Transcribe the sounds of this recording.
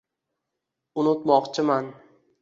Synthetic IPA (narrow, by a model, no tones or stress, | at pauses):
ʊnʊt̪mɒqt͡ʃʰɪman